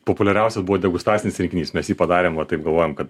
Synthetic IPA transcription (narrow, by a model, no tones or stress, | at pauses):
popʊlʲɛɾʲɛʊsʲosbuʋoːd̪ʲɛɡʊst̪ɾɑːsʲɪnʲɪsɾʲɪŋkʲɪnʲiːsmʲɛsjiːpɐd̪ɑːɾʲeːmʋɐt̪ɐɪp̚ɡɐlˠʋoːjomkɐt̪